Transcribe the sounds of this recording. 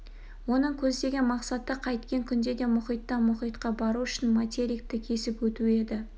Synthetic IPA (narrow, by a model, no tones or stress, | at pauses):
wo̞nəɴkʲʰɵzd̪e̞ɡʲɪmɑqsɑt̪əqʰɑjt̪kʲeŋkʲʰʏnd̪e̞d̪e̞mʊχijt̪ːɑmʊχijt̪qɑbɑɾuʏʃɪnmat̪ʲeɾʲik̚t̪ɪkʲʰe̞sɪpwɵt̪ue̞d̪ɪ